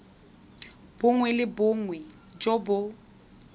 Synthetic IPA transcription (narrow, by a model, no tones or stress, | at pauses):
b̥ʊŋwɛlɪbʊŋwɛ | d͡ʒobʊ